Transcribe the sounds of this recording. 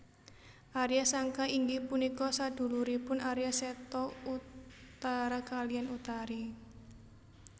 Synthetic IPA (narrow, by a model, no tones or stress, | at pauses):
ʔaɾijasaŋkaiŋɡipunikɔsad̪̥ṳluɾipʊnaɾijasɛt̪ɔut̪aɾakalianut̪aɾi